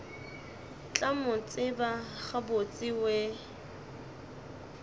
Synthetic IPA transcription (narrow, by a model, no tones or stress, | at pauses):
t͡ɬʼamʊt͡sʼɪbaχabot͡sʼɪwe